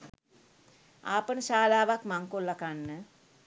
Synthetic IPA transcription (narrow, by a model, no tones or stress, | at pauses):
aːpənəʃaːlaːʋakmaŋkolːakanːə